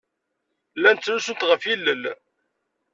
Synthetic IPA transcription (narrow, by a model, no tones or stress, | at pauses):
lːænt̪ːnusənt̪ʁəfilːəl